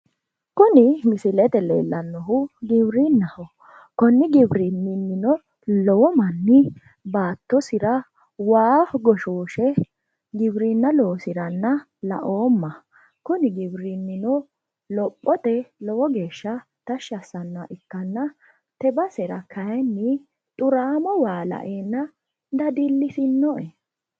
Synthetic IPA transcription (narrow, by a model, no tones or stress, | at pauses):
kʊnɪmɪsɪlɛt̪ɛlḛːlːɐnːɔɦʊɡɪbɾinːɐhɔ | kɔnːɪɡɪbɾinːɪnːɪnɔ | lɔwɔmɐnːɪ | baːt̪ːɔsɪɾɐ | waːɡɔʃoːʃɛ | ɡɪbɾinːɐlɔwɔsɪɾɐnːɐ | lɐ̰ʔoːmːɐ | kʊnɪɡɪbɾɪnːɪnɔ | lɔpʼːɔt̪ɛlɔwɔɡe̞ːʃːɐ | t̪ɐʃːɐsːɐnːaʔɪkːɐnːɐ | t̪ɛbɐsɛɾɐkʰɐjɛnːɪ | t̪ʼʊɾaːmɔwaːlɐ̰ʔeːnːɐ | d̪ɐd̪ɪlːɪsɪnːɔʔɛ